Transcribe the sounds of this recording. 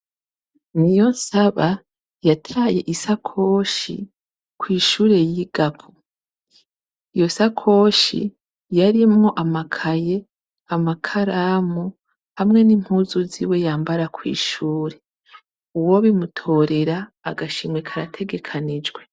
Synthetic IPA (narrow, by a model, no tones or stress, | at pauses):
nijo̞nsaβa | jatʰaːje̞ʔisakʰo̞ːʃḭ | kwiːʃuːɾe̞jiɡ̥apʰu | ijo̞sakʰo̞ːʃḭ | jaɾimŋoʔamakʰaje̞ | amakʰaɾaːmu | hamŋe̞nim̥huːzuzḭwe̞jaːmbaɾakwḭːʃuːɾe̞ | uwo̞βimutʰo̞ːɾe̞ɾaːɡaʃimŋwe̞kʰaɾa̰tʰe̞ɡe̞kʰanid͡ʒɡwe̞